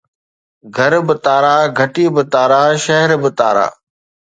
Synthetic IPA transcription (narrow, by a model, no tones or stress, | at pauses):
ɡʱɐɾbɪt̪aːɾaːɡʱɐʈiːbɪt̪aːɾaːʃɐɦɛɾbɪt̪a̰ːɾa̰ː